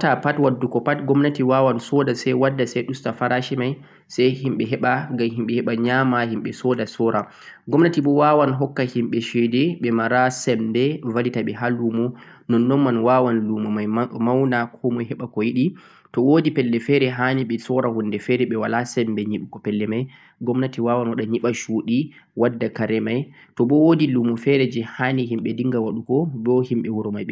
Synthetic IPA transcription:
tapatwadːukɔpatɡɔmnatiwawansɔdasɛjwadːasɛjɗustafaɾaʃimaj | sajhimɓɛɦɛɓaɡamhimɓɛhɛɓaɲamahimɓɛsɔdasɔɾʔa | ɡɔmnatiɓɔwawanɦɔkːahimɓɛʃɛdɛɓɛmaɾasɛmbɛvalitaɓɛɦalumɔnɔnːɔnmanwawanlumɔmajmawnakʰɔmɔjhɛɓakɔjiɗi | tɔwoːdipɛlːɛfɛɾɛɦaniɓɛsɔɾahunːdɛfɛɾɛɓɛwalasɛmbɛɲiɓukɔpɛlːɛmaj | ɡɔmnatiwawanwaɗaɲiɓaʃuɗi | wadːakaɾɛmaj | tɔɓɔwodilumɔfɛɾɛd͡ʒɛhaniɦimɓɛdiŋɡawaɗukɔdɔhimɓɛwuɾɔmajɓɛ

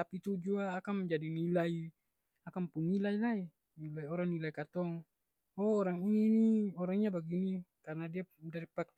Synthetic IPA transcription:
t̪apit̪ud͡ʒuaːkamd͡ʒadinilai | akampunːilailai | nilaioɾaŋnilaikat̪ɔŋ | oːɾaŋinioɾaŋiɲabaɡinikarnadiadaɾipak

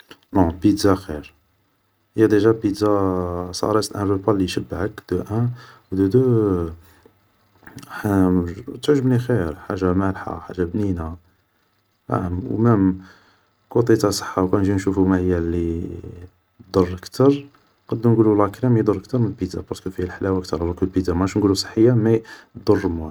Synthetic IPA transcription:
nõbid̪zaxiɾ | jæd̪ˤiʒæbid̪zasˤɑ̰ɾˤɑslʔænvəpɑlːijʃəbːʕəkd̪uʔæwd̪ud̪u | t̪ʕʒəmnixiɾħa̰ʒːamælħa̰ħa̰ʒːabnina | a̰ʕmwmæm | kut̪ˤit̪ɑsˤə̥ħːawkænʒinʃufumahəjːælːi | d̪ˤərˤːəkt̪ʰəɾˤ | qɑd̪ːunɡululɑklæmjd̪əɾˤək̚t̪əɾˤmənbid̪abɑskufilħlæwækt̪əɾˤhlɑkəlbid̪amæʃnɡulusˤə̥ħːəjːamæd̪ˤərˤːmu

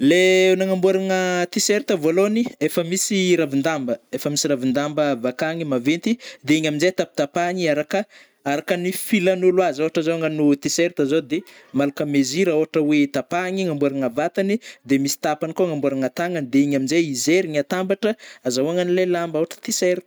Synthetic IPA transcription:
lenaŋambuaɾaŋət̪iseɾt̪əvoloniefəmisiɾavind̪ambəefəmisiɾavind̪ambəvakaŋimavent̪id̪eiɲaminzet̪api̥t̪apaŋiaɾakə | aɾakənifilanulwazowaʈ͡ʂazowaŋanut̪iseɾt̪əzod̪emalakəmeziɾaoɦaʈ͡ʂəwet̪apaŋiŋambuaɾaŋəvat̪anid̪emisi̥t̪apanikoŋambuaɾaŋat̪aŋand̪eiɲaminzeizeɾiɲat̪ambaʈ͡ʂəazawaŋanilelamboaʈ͡ʂə̥t̪iseɾt̪ə̥

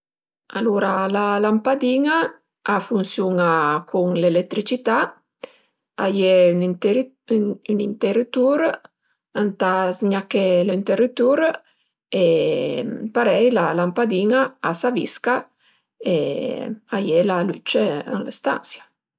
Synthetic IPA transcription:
aluɾalalampad̪iŋaː | funsjuŋakʰuŋlelɛt̪ːɾit͡ʃit̪a | ajɛynɾ | ynint̪ɛɾit̪uɾ | ant̪asɲakɛlint̪ɛɾit̪uɾ | e | paɾɛjlalampad̪iŋaasavḭska | e | ajɛlalyt͡ʃea̰ŋlest̪a̰nsja

